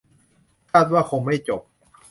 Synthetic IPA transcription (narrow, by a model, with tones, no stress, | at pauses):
kʰaː˥˩t̪̚waː˥˩kʰo˧ŋma˥˩jt͡ɕo˨˩p̚